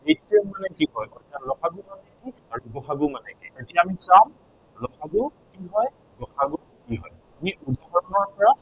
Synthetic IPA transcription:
etsiɛmanɛkiɦɔjɔtalɔxʰaɡumanɛkiaɹuɡɔxʰaɡʊmanɛkḭetijaːmisam | lɔxaɡʊkiɦɔj | ɡɔxaɡʊ | kiɦɔ̰j | miʔudʱaxɔɹɔnɔpɔɹa

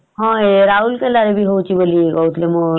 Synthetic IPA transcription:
ɦãeɾaulkelaɾebʱiɦot͡ʃʰibəlieɡɔut̪ʰlemõ

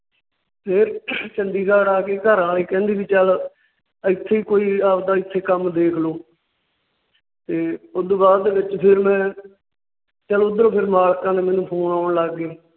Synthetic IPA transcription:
pʰɪɾt͡ʃənd̪iːkaːɽaːkeːkəɾãːliːkɛ̃ːnd̪iːʋiːt͡ʃəl | ɪt̪ʰːeːiːkoːiːaːpd̪aːɪt̪ʰːeːkəmd̪eːkʰloː | t̪eːʊd̪obaːd̪d̪eːʋɪt͡ʃpʰɪɾmɛ̃ː | t͡ʃəlʊd̪əɾõːpʰɪɾmaːlkãːneːmɛ̃ːnũːpʰoːɳaːʊɳləɡːeː

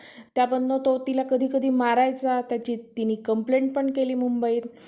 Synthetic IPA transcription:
t̪jabənːət̪ot̪ilakəd̪ʱiːkəd̪ʱiːmaɾajt͡sat̪jat͡ɕiːt̪inikəmpleɳʈ̚pəɳkeliːmumbəiːt̪

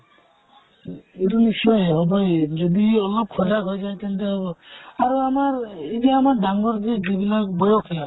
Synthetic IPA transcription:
eɾunisɔjɦɔbɔjd͡ʒɔd̪iɔlɔb̚kʰɔɾaɡʱɔjd͡ʒajk̪ɛnt̪eɦɔbɔaɾuamaɾid͡ʒiamaɾɖaŋɡɔɾd͡ʒed͡ʒibilaɡbɔjɔkʰia

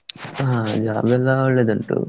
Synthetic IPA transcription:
ad͡ʒaːbɛlaɭːeːd̪ɐɳʈṵː

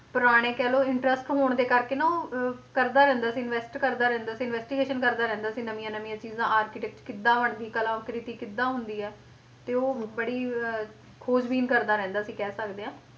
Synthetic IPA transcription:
pʊɾaːɽ̃eːkɛːloːɪɳʈɾəsʈɦoːɳd̪eːkəɾkeːnaoːkəɾd̪aːɾɛ̃ːnd̪aːəsĩːɪnʋɛːsʈkəɾd̪aːɾɛ̃ːnd̪aːsĩːnʋɛːsʈiːɡeːʃənkəɾd̪aːɾɛ̃ːnd̪aːsĩːnəmĩjãːnəmĩjãːt͡ʃiːzãːʔaːɾkɪʈɛk̚ʈkɪd̪ːãːʋəɳd̪iːkəlãːkɾɪt̪iːkɪd̪ːãːɦʊnd̪iːɛː | t̪eːoːbəɽiː | kʰoːd͡ʒbiːnkəɾd̪aːɾɛ̃ːnd̪aːəsĩːkɛːsəkd̪eːɦãː

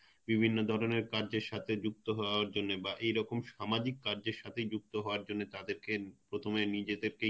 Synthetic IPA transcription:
bibʱinːod̪ʱɔɾoneɾkaɾd͡ʑeɾʃat̪ʰed͡ʑuk̚t̪oɦɔaɾd͡ʑonːebaʔejɾɔkomʃamad͡ʑikːaɾd͡ʑeɾʃat̪ʰejd͡ʑuk̚t̪oɦɔoaɾd͡ʑonːet̪ad̪eɾkepɾot̪ʰomenid͡ʑed̪eɾke

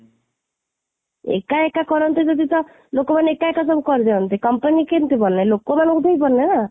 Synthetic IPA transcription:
ḛkaekakɔɾɔnt̪id͡ʒed̪it̪ɔ | lokomanekaekasɔbkɔɾd̪eɔnt̪ekɔmpənikent̪ibɔlnajlokomankut̪eibɔnnena

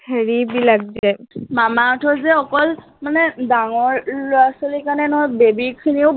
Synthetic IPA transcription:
kʰeɹibilak̚zɛmamaɔtʰɔzɛɔkɔl | manɛdaŋɔɹlʊasolikaɹnɛnɔɦɔjbebikʰiniʊ

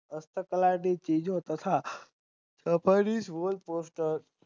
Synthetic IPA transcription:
əst̪ʰəkəlaɖit͡ʃid͡ʒot̪ət̪ʰa | səpʰəɾisʋolposʈəɾ

